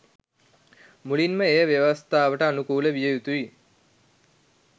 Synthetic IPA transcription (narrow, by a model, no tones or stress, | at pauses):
mulinməejəʋjeʋəst̪ʰaːʋəʈəanukuːləʋijəjut̪uʋi